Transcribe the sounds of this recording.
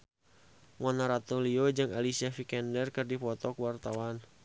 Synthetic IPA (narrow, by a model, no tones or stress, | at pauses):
mɔnaɾat̪oliod͡ʒɨŋalisiafikɛndɛrkɨrdipɔt̪ɔkwart̪awan